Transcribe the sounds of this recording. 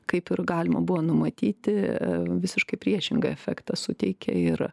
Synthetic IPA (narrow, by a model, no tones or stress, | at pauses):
kɐɪpɪrɡɑːlʲɪmɐ̰bʊʋonʊmɐt̪ʲiːt̪ʲɪʋʲɪsʲɪʃkɐɪpʲɾʲiɛʃʲɪŋɡɐɛfʲɛkt̪ɐsʊt̪ʲɛɪkʲɛ̰ɪr